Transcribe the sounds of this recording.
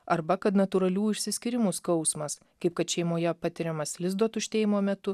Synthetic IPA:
ɐɾbɐkɐt̪nɐt̪ʊɾɐlʲuːɪʃʲsʲɪsʲkʲɪɾʲɪmuskɐʊsmɐs | kɐɪp̚kɐt̪ʃʲɛɪmoːjɛpɑt̪ʲɪɾʲɛmɐslʲɪzd̪oːt̪ʊʃʲt̪ʲeːjɪmoːmʲɛt̪ʊ

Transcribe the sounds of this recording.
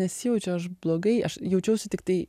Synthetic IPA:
ɛsʲɪjɛʊt͡ʃʲɛɐʃ̬blˠoːɡɐɪɐʃjɛʊt͡ʃʲɛʊsʲʊt̪ʲɪkt̪ɐɪ

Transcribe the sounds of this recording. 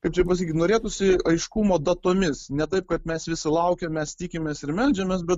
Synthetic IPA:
kɐɪpt͡ʃʲɛpɐsɐkʲikʲːt̪noːɾʲeːt̪ʊsʲɪɐɪʃkumoːd̪ɐt̪oːmʲɪsnʲɛt̪ɐɪp̚kɐt̪mʲɛsʋʲɪsʲɪlˠɐʊkʲɛmʲɛst̪ʲiːkʲɪmʲeːsɪɾmʲɛlʲd͡ʒʲɛmʲeːs̬bʲɛt̪

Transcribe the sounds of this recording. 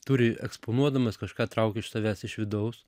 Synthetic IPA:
t̪uɾʲɪɛ̰kspoːnuɔd̪ɐmɐskɐʃkɑːt̪ɾɐʊkʲɛɪʃsɐʋʲæːsɪʃʋʲɪd̪ɐʊs

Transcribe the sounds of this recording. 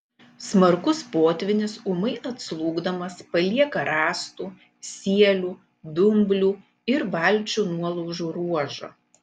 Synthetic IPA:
smɐɾkʊspoːt̪ʲʋʲɪnʲɪsumɐɪɐt̪slˠuːɡd̪ɐmɐspɐlʲiɛkɐɾɑːst̪uː | sʲiɛlʲuː | d̪ʊmʲblʲuː | ɪɾʋɑlʲˑt͡ʃʲuːnuɔlˠɐʊʒuːɾuɔʒɐ̰ː

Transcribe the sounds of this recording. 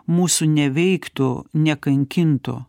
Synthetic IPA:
muːsʊnʲɛʋʲɛɪkt̪o̰ːnʲɛkɐŋʲkʲɪnt̪o̰

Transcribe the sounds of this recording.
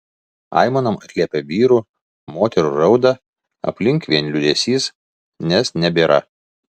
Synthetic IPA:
ɑ̰ˑɪmɐnɐmɐt̪ʲlʲiɛpʲeʋʲiːɾuː | moːt̪ʲɛɾṵːɾɐʊd̪ɐ | ɐ̰pʲlʲɪŋkʋʲiɛnlʲʊd̪ʲɛsʲiːs | nʲɛsnʲɛbʲeːɾɐ̰

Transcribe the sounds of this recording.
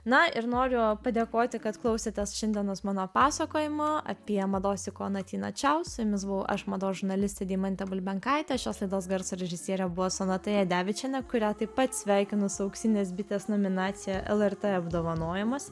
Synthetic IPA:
nɐɪɾnoːɾʲʊpɐd̪ʲeːkoːt̪ʲɪkɐt̪klˠɐʊsʲeːt̪ʲɛsʃʲɛnʲd̪ʲiɛnosmɑːnoːpɑːsɐkoːjɪmɐɐ̰pʲiɛmɐd̪oːsʲɪkoːnɐt̪ʲiːnɐ̰t͡ʃʲɛʊsʊmʲɪs̬bʊʋɐʊʔɐʃmɐd̪oːʒʊɾnɐlʲɪsʲt̪ʲɛd̪ʲiːmɐnʲt̪ʲɛbʊlʲbʲɛŋkɑˑɪt̪ʲɛʃʲoːslˠɐɪd̪oːsɡɐɾsʊɾʲɛʒʲɪsʲiɛɾʲɛbʊʋɔːsʊnɐt̪ɐjɛd̪ʲæːʋʲɪt͡ʃʲɛnʲɛkʊɾʲæːt̪ɐɪppɐt̪sʲʋʲæˑɪkʲɪnʊsʊɐʊkst̪ʲinʲeːs̬bʲɪt̪ʲeːsnoːmʲɪnɑːt̪sʲɪjɛʔɛlˠɛrt̪eɐbd̪oːʋɐnoːjɪmɐs

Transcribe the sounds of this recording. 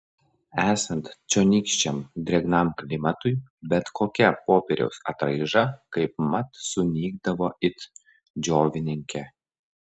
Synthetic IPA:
æːsɐnt̪t͡ʃʲoːnʲiːˑkʃʲt͡ʃʲɛmd̪ʲɾʲɛɡnɐˑmklʲɪmɐt̪ʊɪbʲɛt̪kʰoːkʲɛpoːpʲɛɾʲɛ̰ʊsɐ̰t̪ɾɐɪʒɐkɐɪp̚mɐt̪sʊnʲiːɡ̚d̪ɐʋoːɪt̪ | d͡ʒʲoːʋʲɪnʲɪŋʲkʲɛ

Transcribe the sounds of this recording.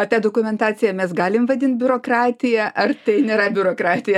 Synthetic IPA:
ɐt̪ʲɑːd̪oːkʊmʲɛnt̪ɑːt͡ssʲɪjɛmʲɛsɡɑːlʲɪmʋɐd̪ʲɪnt̪̚bʲʊɾoːkrɑːt̪ʲɪjɛʔɐrt̪ɐɪnʲeːɾɐbʲʊɾoːkɾɑːt̪ʲɪjɛ

